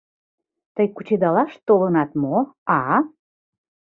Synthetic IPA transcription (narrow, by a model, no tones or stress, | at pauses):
t̪əjkut͡ɕed̪ɑlɑʃt̪olənɑt̪moɑ